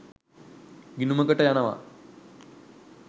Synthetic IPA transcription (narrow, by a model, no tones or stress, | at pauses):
ɡinuməkəʈɐjanɐʋa̰